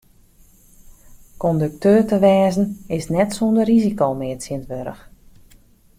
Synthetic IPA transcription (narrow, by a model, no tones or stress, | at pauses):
kɔndək̚tøːrtəʋɛːzn̩ɪsnɛtsondərizikoːmɪətsiəntʋøɾə̰x